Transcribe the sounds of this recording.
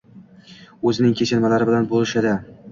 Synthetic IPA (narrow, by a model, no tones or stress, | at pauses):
ɵzɪnɪŋkʲʰet͡ʃʰɪnmalaɾɪbɪlanbolɪʃɪd̪ɪ